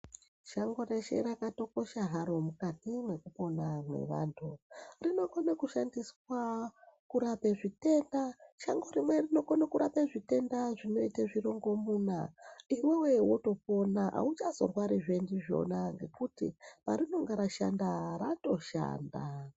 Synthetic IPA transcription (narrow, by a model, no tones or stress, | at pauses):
ʃaŋɡo̞ɾeʃe̞̰ɾakato̞ko̞ʃaɦaɾo̞mukatimwe̞kupo̞namwe̞̰ʋa̰ːntʰurino̞konakuʃandiswakuɾapeʐite̞ndaʃaŋɡo̞rimwe̞rino̞konakuɾapeʐite̞ndaʐino̞itaʐiro̞ŋɡo̞muːna̰iwewe̞woto̞p̚o̞naʔa̰ut͡ʃazo̰rwaɾiʐendiʐo̞̰naŋɡe̞kutḭpa̰rino̞ŋɡaɾaʃandarato̞ʃa̰ːnda